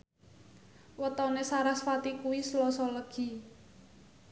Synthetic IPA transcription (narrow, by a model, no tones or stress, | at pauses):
wət̪ɔnesaɾasfat̪ikuwislɔsɔləɡ̥i̤